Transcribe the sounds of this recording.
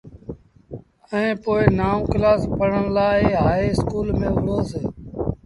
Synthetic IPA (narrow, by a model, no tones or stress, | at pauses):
ɛ̃ːpoːɪnaːõːklaːspəɳ̤əɳlaːɦaːeːɪskuːlmẽːʊɽoːseː